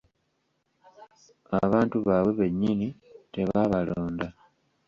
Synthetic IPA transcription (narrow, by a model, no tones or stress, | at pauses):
a̰βaːntuβaːwe̞βe̞ɲːinite̞βaβaloːnda